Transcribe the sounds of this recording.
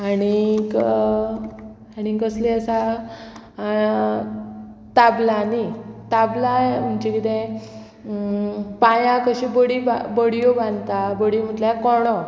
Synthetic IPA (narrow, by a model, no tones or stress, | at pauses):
aɽ̃ik | aɽiɡəsleəsa | t̪ablanit̪ablaem̤unt͡ɕekit̪ẽ | pajãkəɕĩbəɽiba̰bəɽijobãnt̪abəɽim̤əʈljakɔɽ̃ɔ